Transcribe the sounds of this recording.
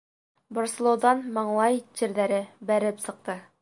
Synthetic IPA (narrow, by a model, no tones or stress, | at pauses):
boɾsɤ̆lˠŏwðɑnmɑɴlˠɑjt͡ɕɘ̆ɾðæɾɘbæɾɘpsɤ̆q̚t̪ɤ